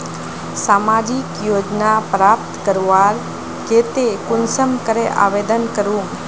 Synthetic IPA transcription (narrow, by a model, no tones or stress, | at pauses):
samad͡ʒikjoːd͡ʒnapɾap̚t̪kəɾʋaɾ | ket̪ekʊnsəmkəɾeʔa̰ʋed̪ənkəɾum